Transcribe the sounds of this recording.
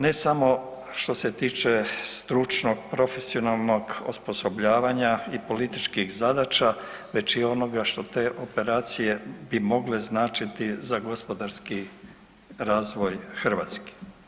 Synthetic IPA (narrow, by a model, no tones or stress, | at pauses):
ne̞samo̞ | ʃt̪o̞se̞t̪iːt͡ʃest̪ɾut͡ʃnoɡ̚pɾo̞fe̞sio̞nalˠno̞ɡo̰spo̞sobʎaːʋaɲaipo̞lit̪it͡ʃkixzad̪at͡ʃaʋe̞t͡ʃio̞no̞ɡaʃt̪o̞t̪e̞ːʔo̞pe̞ɾaːt̪sije̞bimo̞ɡle̞znaːt͡ʃit̪izaɡo̞spo̞d̪aɾski | ɾaːzʋo̞jxr̩ʋa̰t̪ski̥